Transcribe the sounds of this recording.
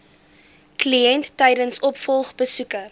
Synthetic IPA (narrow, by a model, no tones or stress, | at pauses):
kliɛntːɛjdənsɔpfɔlˠχbəsukə